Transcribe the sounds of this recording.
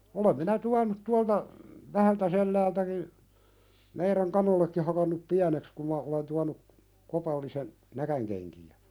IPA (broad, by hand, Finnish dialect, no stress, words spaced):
olem minæ tuɑnut tuɑltɑ ʋæhæltæselːæːltæki meiræn kɑnolːekːi hɑkɑnːup piæneks kum mɑ olen tuɑnu kopɑlːisen nækænkenkiæ